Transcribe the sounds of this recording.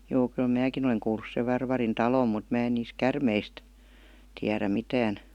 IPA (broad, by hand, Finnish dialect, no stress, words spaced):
joː kyl mæːkin oleŋ kuːlus seʋ ʋɑrʋɑrin tɑloˑm mut mæ en niːs kærmeist tiæræ mitæːn